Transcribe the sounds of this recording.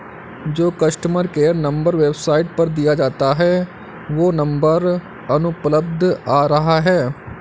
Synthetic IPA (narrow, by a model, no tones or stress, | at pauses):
d͡ʒoːkəsʈəməɾkeːəɾnə̃mbəɾʋeːbsaːɪʈ̚pəɾd̪ɪjaːd͡ʒaːt̪aɦɛː | ʋoːnə̃mbəɾ | ənʊpləb̚d̪ʱaːɾəɦaɦɛː